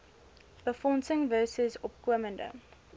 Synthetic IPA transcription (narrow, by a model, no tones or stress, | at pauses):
b̥əfɔnsəŋvɜːsəzɔpkwəməndə̰